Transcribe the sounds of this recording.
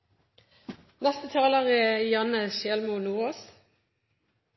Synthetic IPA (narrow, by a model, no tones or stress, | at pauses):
nɛst̪ət̪ʰɑːləʁɛːjɑnəʃeːlmunuːoːs